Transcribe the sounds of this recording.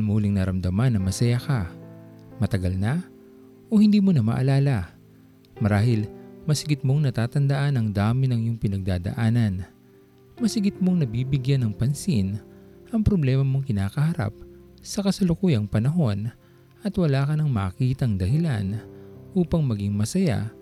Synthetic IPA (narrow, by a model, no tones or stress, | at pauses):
lmuːlɪŋnɐɾɐmd̪ɐmanːɐŋmɐsɐjaka | mɐt̪ɐɡɐlna | ʔohɪnd̪iːmonɐmɐ̰ʔɐlaːlɐ | mɐɾaːhɪlmɐsɪɡɪt̪̚mo̞ŋnɐt̪aːt̪ɐnd̪ɐʔanɐŋd̪aːmɪnɐŋjʊŋpɪnɐɡ̚d̪aːd̪ɐ̰ʔaːnɐn | mɐsɪɡɪt̪̚mo̞ŋnɐbiːbɪɡjanɐŋpɐnsin | ʔɐŋpɾoblɛːmɐmo̞ŋkɪnaːkɐhɐɾa̰p̚ | sɐkɐsɐlʊkuːjɐŋpɐnɐɦo̞n | ʔɐt̪wɐlaːkɐnɐŋmɐːkiːt̪ɐŋd̪ɐhɪlanʔuːpɐŋmɐɡɪŋmɐsɐja̰